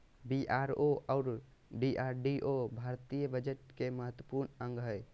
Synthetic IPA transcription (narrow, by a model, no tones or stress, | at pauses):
biʔaɾoaːɾ | ɖiʔaɾɖiʔobʱaɾt̪ijəbəd͡ʒeʈ̚keməɦət̪wəpuɾnəŋɡɦəj